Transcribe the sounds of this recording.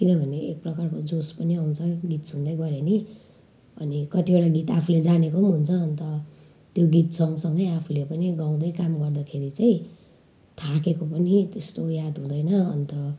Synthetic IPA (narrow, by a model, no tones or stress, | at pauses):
kinʌbʱʌneek̚prʌkarkod͡zospʌniawunt͡sʰʌɡit̪sund̪ʌjɡʌɾeni | ʌ̰nikʌt̪ieɽaɡit̪apʰuled͡zanekomɦunt͡sʰʌːnt̪ʌ | t̪joɡit̪sʌŋʌsʌŋɡʌjapʰulepʌniɡaw̃d̪ʌjkamɡʌrd̪akʰeɾit͡saĩ | t̪ʰakekopʌnit̪est̪ojad̪ɦũd̪ʌjnʌʌ̰nt̪ʌ